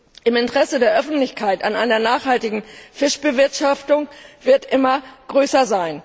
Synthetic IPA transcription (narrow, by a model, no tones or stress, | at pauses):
ʔɪmɪntʁ̥ɛsədeːɐʔœfn̩tlɪçkʰaɪtanʔaɪnɐnaːχhaltɪɡŋ̩fɪʃb̥əvɪɐtʃaftʊŋv̥ɪɐtʔɪmɐɡ̥ʁøːsɐzaɪn